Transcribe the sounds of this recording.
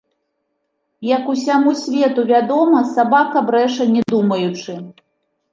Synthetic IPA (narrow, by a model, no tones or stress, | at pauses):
jɐkusʲamusʲvʲɛt̪uvʲad̪ɔmɐsabakɐbɾɛʂɐnʲɛd̪umɐjut͡ʂɨ